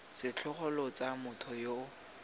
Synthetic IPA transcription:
sɪt͡ɬʰʊχɔlɔt͡sʼamʊtʰɔjo

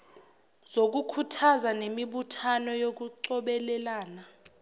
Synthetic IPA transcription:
z̥ok̬ukʰutʰazanemiɓutʰanɔjok̬uǀɔɓɛlɛlaːna

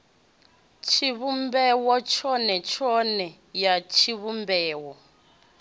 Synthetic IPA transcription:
t͡ʃʰiβumbɛwɔt͡ʃʰɔnɛt͡ʃʰɔnɛ | jat͡ʃʰiβumbɛːwɔ

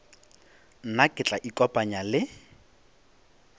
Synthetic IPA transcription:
n̩nakʼɪt͡ɬʼaʔikʼɔpʼaɲalɪ

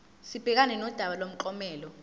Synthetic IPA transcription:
sib̥ʱɛk̬anɛnɔd̥ʱaɓalom̩ǃɔmɛːlɔ

